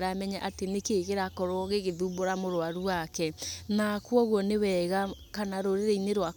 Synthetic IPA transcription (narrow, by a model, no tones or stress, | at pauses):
ɾamɛɲaʔatenekeɣeɾakɔɾwɔɣeɣeðuboɾamoɾoaɾuakɛnakwɔɣwɔnewɛɣakanaɾoɾeɾeineɾwa